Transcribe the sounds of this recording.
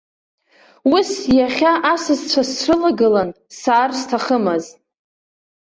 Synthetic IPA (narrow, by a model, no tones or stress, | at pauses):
wusjaχʲaʔasɨzt͡ɕʷʰasrɨlaɡɨlan | saːrstʰaχəmaz